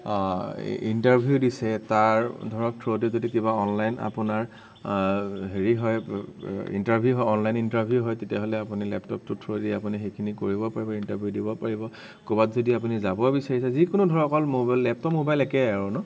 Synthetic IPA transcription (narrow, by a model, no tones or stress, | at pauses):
ḭntaɹbʱijudisɛtaɹdʱɔɹɔk̚tʰɹodizodikiβaɔnlajna̰pʊnaɹ | ɦeɹiɦɔj | ḭntaɹbʱjuɦɔjɔnlajnintaɹbʱijuɦɔjtetijaɦɔlɛapunilɛ̰ptɔp̚tutʰɹodiapunixejkʰinikoɹibɔpaɹibɔintabʱijudibɔpaɹibɔ | kobatzodiap̬unizabɔbisaɹisɛzikʊnudʱɔɹɔkɔlmobalːɛp̚tɔpmobajlɛkɛaɹunɔ